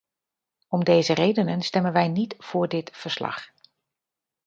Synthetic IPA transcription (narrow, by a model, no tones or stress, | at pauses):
ɔmdejzərejdənənstɛmənʋɛjnitv̥ʊːɹdɪtfəɹslɑ̰χ